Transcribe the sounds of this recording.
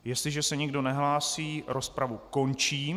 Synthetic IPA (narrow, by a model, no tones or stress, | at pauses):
jɛst̪lɪʒɛsɛɲɪɡdo̞nɛɦlaːsiːɾospɾavuko̞nt͡ʃiː